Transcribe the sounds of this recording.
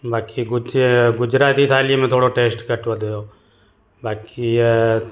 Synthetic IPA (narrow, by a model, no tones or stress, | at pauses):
baːkiɡʊɡʊd͡ʒɾaːt̪iːt̪ʰaːliemẽt̪ʰoːɽoʈeːsʈkəʈʋəd̪ojoː | baːkʰi